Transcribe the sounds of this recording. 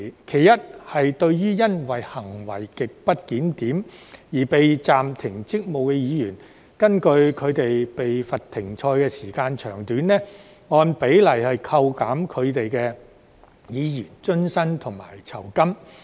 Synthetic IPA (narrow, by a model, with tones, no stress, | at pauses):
kʰe˨˩jjɐ˥t̚hɐ˨jt̪ɵ˧ɥjyː˥jɐ˥nwɐ˨jhɐ˨˩ŋwɐ˨˩jkɪ˨k̚pɐ˥t̚kiː˨˥nt̪iː˨˥mjiː˨˩pe˨jt͡saː˨mt̪ʰɪ˨˩ŋt͡sɪ˥k̚mo˨wkɛ˧jiː˨˧jyː˨˩n | kɐ˥nkɵ˧ɥkʰɵ˨˧ɥt̪e˨jpe˨jfɐ˨t̚t̪ʰːɪ˨˩ŋt͡ʃʰɔː˧jkɛː˧siː˨˩kaː˧nt͡ʃʰœː˨˩ŋt̪yː˨˥nɛː˥ | ŋɔː˧npe˨˥jlɐ˨˩jhɐ˨jkʰɐ˧wkaː˨˥mkʰɵ˨˧ɥt̪e˨jkɛː˧ | jiː˨˧jyː˨˩nt͡ʃɵ˥nsɐ˥nt̪ʰʊ˨˩ŋma̰ː˨˩jt͡sʰɐ˨˩wkɐ˥m